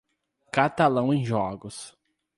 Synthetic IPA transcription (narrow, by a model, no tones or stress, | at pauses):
kat̪alɐ̃w̃ẽj̃ʒɔɡʊs